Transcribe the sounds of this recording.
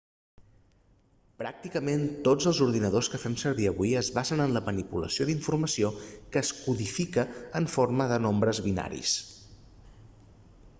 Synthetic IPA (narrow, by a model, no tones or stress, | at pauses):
pɾak̚t̪ikəment̪od͡zəlˠzuɾðinəð̞oskəfɛmsəɾβiəβujəzβazənənləmənipulə̰sioðiɱfurməsiokəːskuðifikəːɱforməðənombɾəzβina̰ɾḭs